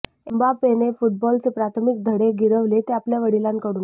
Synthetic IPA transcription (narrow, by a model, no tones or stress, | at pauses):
embapenefuʈ̚bɔlt͡sepɾat̪ʰəmik̚d̪ʱəɽeɡʱiɾəʋlet̪eapljaʋəɽilãnkəɽuːn